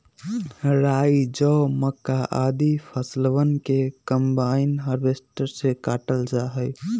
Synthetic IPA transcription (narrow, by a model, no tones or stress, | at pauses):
ɾaːid͡ʒɔːməkːaʔaːd̪ipʰəslwənkekəmbaːɪnɦəɾbeːsʈəɾsekaːʈəld͡ʒaɦəj